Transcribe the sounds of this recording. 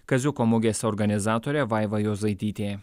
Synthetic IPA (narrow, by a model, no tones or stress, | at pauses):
kɐzʲʊkomʊɡʲeːsʲɛɔɾɡɐnʲɪzɑːt̪oːɾʲɛʋɑˑɪʋɐjoːzɐɪt̪ʲiːt̪ʲeː